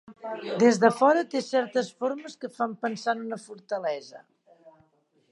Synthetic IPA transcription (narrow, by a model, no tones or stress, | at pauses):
d̪ezðəfɔɾət̪esɛɾt̪əsfoɾməskəfampənsanunəfuɾt̪əlɛzə